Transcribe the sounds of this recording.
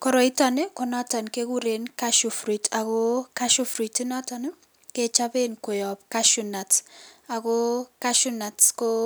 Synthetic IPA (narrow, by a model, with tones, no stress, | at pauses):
kɔ˦ɾɔ˨i˦ta˨ne˦kɔ˨na˦ta˨nke˦ku˦ɾe˨nka˦ʃu˨fɾi˨ta˨ko˦ka˦ʃu˦fɾi˨tɪ˦na˦ta˨ne˦ | ke˦t͡ʃa˦be˦nko˨jɔ˨p̚ka˦ʃu˨na˨ta˨ko˦ka˦ʃu˦na˨tko˦